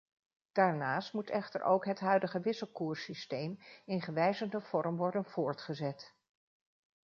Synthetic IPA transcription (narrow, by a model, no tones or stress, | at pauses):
d̥aːɹnaːstmutɛχtə̰ɹʔo̰wkɦətɦœɥdəχəʋɪsəlˠkuːɹsistejmɪnχəʋɛjzəndəv̥ɔɹmʋɔɹdənv̥ʊːɹtχəzɛt